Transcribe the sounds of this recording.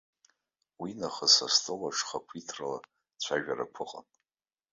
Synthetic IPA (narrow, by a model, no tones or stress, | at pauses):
winaχasastʼɨlaʂχapʷʰitʰrala | t͡ɕʷʰaʒᶣaɾa̰kʷʰʊqʼa̰n